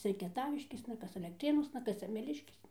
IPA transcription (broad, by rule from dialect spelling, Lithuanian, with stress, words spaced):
ˈt͡sʲɛ ɪ kʲiɛˈtɑːʋʲɪʃʲkʲeːsnɐ ˈkɐs ɐlʲɛkˈtʲrʲeːnuɔsnɐ ˈkɐs sʲɛmʲɛˈlʲɪʃʲkʲeːsnɐ